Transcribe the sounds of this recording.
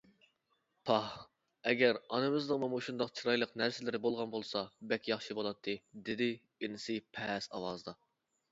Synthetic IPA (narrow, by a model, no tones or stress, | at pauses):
pʰɑh | ɛɡʲæɾɑnɨmɨzd̪əmumuʃund̪ɑqt͡ʃʰiɾɑjlˠəqnæɾsɪlɪɾɪbolˠʁɑnbolˠsɑbɛkʲjɑχʃibolˠɑt̪ʰːɨd̪ɪd̪ɪ | inɪsɨpʰɛsɑ̰wɑzd̪ɑ